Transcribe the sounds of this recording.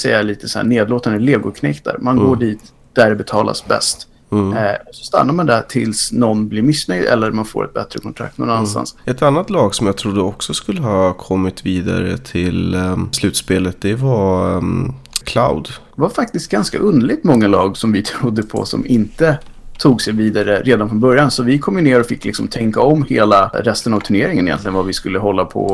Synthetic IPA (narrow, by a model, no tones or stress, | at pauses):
sɛjːaliːt̪ʰə̥sɔhæ̰ːɳeːd̪loːt̪and̪əleːɡʊkʰnɛkt̪a̰ɾmanɡoːɖiːt̪ | d̪̥æɖɛbɛt̪ʰɑːla̰sbɛ̰st̪ | ɔsɔ̥st̪a̰nːaɾmand̪æʈʰɪlsnɔnːblɪɾmɪsnœjd̪ɛ̰lːəɾmanfo̰ːɾʔɛ̰t̪̚bɛt̪ɾəkʰɔnt̪ʰɾa̰k̚t̪nɔ̰nanːannst̪a̰nsɛt̪anːat̪lɑːɡsɔmjɑːt̪ʰɾud̪ːəɔksɔskɵlːəɦɑːkʰɔmːɪt̪viːd̪a̰ɾət̪ʰɪlslʉ̟ːt̪speːlət̪̚d̪ɛva | kʰlaʊd̪vafak̚t̪ɪst̪̚ɡanska̰ʔɵnd̪ɭɪɡ̚t̪mɔŋːalɑːɡsɔmvɪt̪ʰɾʊd̪ːəpʰɔ̰sɔ̰mɪnt̪ət̪ʰuːɡsɛjviːd̪aɾəɾʔeːd̪anfɾɔnbœɾjansɔvɪkʰɔmːɪneːɾaɾɔfɪkːlɪksɔmt̪ʰɛŋkaɔmːheːlaɾɛst̪ənavt̪ʰɵɳeːɾɪŋənɪjɛ̰nt̪lɪɡənvavɪskɵlːəɦɔlːapʰɔ̰